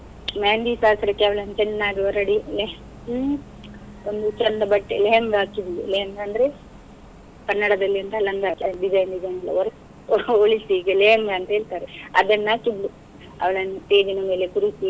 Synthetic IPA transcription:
maːnd̪iːsaːsɐɾɐkːeɐʋɐɭɐnːɐt͡ʃɛnːaːɡioɾɐɽile | ond̪ut͡ʃɐnd̪ɐbɐʈːeleɦɐŋɡakiblṵleɐŋɡɐnd̪ɐɾe | kɐnːɐɽɐd̪ɐlːiɐnt̪ɐlɐnd̪aːkiɐɖid͡ʒɐjnɖid͡ʒɐjnɐlːɐ̰oɾ | oɭisiɡeleːɐŋɡɐɐnt̪ɐe̞ːɭt̪aːɾeɐ̰d̪ɐnːakiblu | ɐ̰ʋɐɭɐnɐʈ̪eːd͡ʒɐnɐmeːlepuɾit̪i

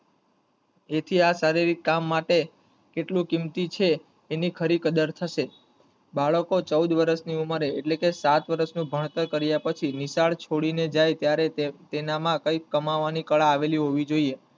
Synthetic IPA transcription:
et̪ʰiasaɾiɾit̪̚kamːaʈe | keʈlũkimt̪it͡ʃʰeː | nikʰəɾikəd̪əɾt̪ʰəʃe | baɭəkot͡ʃəwd̪ʋəɾəsniuməɾeeʈlekesat̪ʋəɾəsnũbʱəɳ̃t̪əɾkəɾjapət͡ʃʰinisaɭt͡ʃʰoɽined͡ʒajt̪jaɾet̪enamãkəikəmaʋːanikəɭaːʋeliɦoʋid͡ʒoie

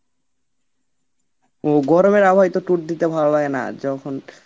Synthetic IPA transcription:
oɡɔɾomeɾabʱajt̪oʈuʈ̚d̪it̪ebʱalolaɡena̰d͡ʑɔkʰon

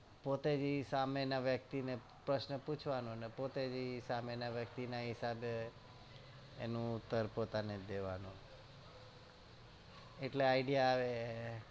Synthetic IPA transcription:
pot̪ed͡ʒisamenaʋjək̚t̪ine | pɾəʃnəput͡ʃʰʋanũnepot̪ed͡ʒisamenaʋjəkt̪inaɦɪsabe | nũʊt̪ːəɾpot̪aned̪eʋanũ | eʈleaiɖijaːʋe

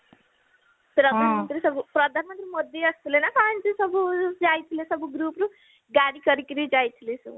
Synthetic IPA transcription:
pɾʌd̪ʱanmʌnt̪risʌbuprʌd̪ʱanmʌnt̪ɾimʌd̪ʱjeʌst̪ulenʌkant͡sisʌbud͡zajt̪ʰilesʌbuɡɾupɾu | ɡaɽikʌɾikiɾid͡zajt̪ʰilesu

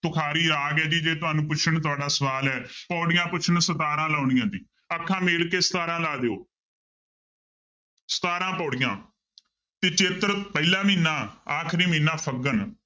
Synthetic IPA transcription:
t̪ʊkʰaːɾiːɾaːɡɛːd̪iːd͡ʒeːt̪̬ʊaːnũːpʊt͡ʃʰəɳt̪ʊaːɖaːsəʋaːlɦɛːpɔːɽɪjãːpʊt͡ʃʰənsət̪aːɾãːlaːɳ̃ɪjãːd̪iː | əkʰːãːmeːɽkeːsə̥t̪aːɾãːlaːd̪eːo̰ː | sə̥t̪aːɾãːpɔːɽɪjãː | t̪eːt͡ʃeːt̪əɾpəilãːmiːnaːaːkʰɾiːmĩːnãːpʰəɡən

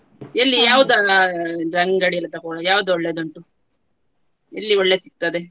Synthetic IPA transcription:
elːijaːʋud̪ɐd̪ɾɐŋɡɐɽiɐlːɐt̪ɐkɔːɭɐjaːʋud̪uɔɭːed̪ɐɳʈu | ḛlːiɔɭːesik̚t̪ɐd̪e

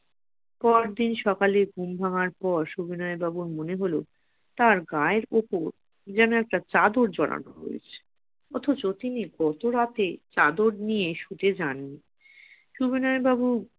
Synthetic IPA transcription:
pɔɾd̪inʃɔkaleɡʱumbʱaŋaɾpɔɾʃubinɔebabuɾmoneɦolo | t̪aɾɡaeɾopoɾ | d͡ʑɛnoɛk̚ʈat͡ɕad̪oɾd͡ʑɔɽa̰no̰ɦo̰ḛt͡ɕʰe̥ | ɔt̪ʰot͡ɕot̪iniɡɔt̪oɾat̪et͡ɕad̪oɾnieʃut̪ed͡ʑanːi | ʃubinɔebabu

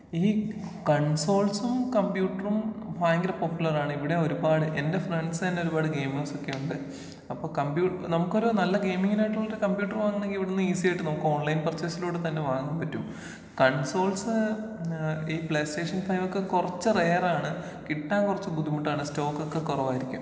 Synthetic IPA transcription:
iː | kɐɳso̞ːlsumkɐmpjuːʈːɐrumfaːjŋɡɐɾɐpopjulɐraːɳɨiʋiɽe̞o̞ɾubaːɽɨʔe̞nde̞freɳɖsenːeoɾubaːɽɨɡe̞ːmɐso̞kːe̞juɳɖɨ | ɐpːo̞ːkɐmpjuːnɐmukːo̞ɾunɐlːɐɡe̞ːjmiŋːinaːjʈːuɭːoɾɨkɐmbjuːʈːɐruʋaːŋːunːeŋɡiʋiɽenːɨiːsijɐjiʈːɨnɐmukːɨo̞ːɳlɐjnprɐt͡ɕːeːsiluːɽɨt̪ɐnːeʋaːŋumpɐtːum | kɐɳso̞ːlsɨ | iːpleːste̞ːʂɐnfɐjʋo̞kːekurɐt͡ɕːɨre̞ːraːɳɨ | kiʈːaːnkurɐt͡ɕːɨɡud̪ikuʈːaːɳɨsto̞ːkːokːekːurɐʋaːjiɾikʲːum

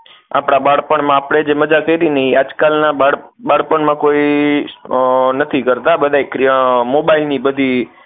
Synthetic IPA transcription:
a̰pɽ̃abaɽpəɳmãapɽ̃ed͡ʒeməd͡ʒakəiɾinəɦiad͡ʒkalnaaɽbaɽpəɳmãkoi | nət̪ʰikəɾt̪abəd̪ʱaekmobailnibəd̪ʱi

